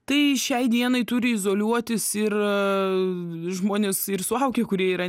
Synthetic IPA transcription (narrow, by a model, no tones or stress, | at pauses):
t̪ɐɪʃʲɛɪd̪ʲiɛnɐɪt̪ʊɾʲɪɪzoːlʲuɔt̪ʲɪsɪr | ʒmoːnʲɪsɪrsʊɐʊkʲeːkʊɾʲiɛiːɾɐ